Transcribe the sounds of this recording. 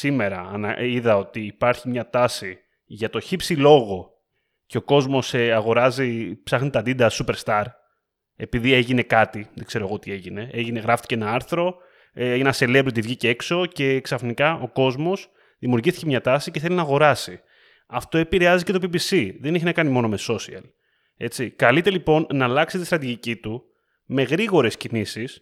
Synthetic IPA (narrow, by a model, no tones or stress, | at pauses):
sime̞ɾɐnɐiðɐo̞t̪iːpɐɾçimɲɐt̪ɐsi | ʝɐt̪o̞çipsilo̞ɣo̞ | ce̞oko̞zmo̞seɐɣo̞ɾɐzipsɐxnit̪ɐd̪id̪ɐsupe̞ɾst̪ɐɾ | e̞piðie̞ʝine̞kɐt̪iðeɡ̥se̞ɾo̞ɣot̪ie̞ʝine̞e̞ʝine̞ɣɾɐft̪i̥ceenɐɐɾθɾo̞ | enɐse̞levɾot̪ivʝice̞kso̞ce̞ksɐfnikɐʔo̞ko̞zmo̞s | ðimiuɾʝisθi̥cemɲɐt̪ɐsice̞θe̞linɐːɣo̞ɾɐsi | ɐft̪o̞e̞piɾeɐzice̞t̪o̞pibisiðe̞niçinɐkɐnimo̞no̞meso̞siɐ̰l | e̞t͡sikɐlit̪e̞lipo̞nːɐlɐksit̪ist̪ɾɐt̪iʝicit̪u | me̞ɣɾiɣo̞ɾe̞scinisis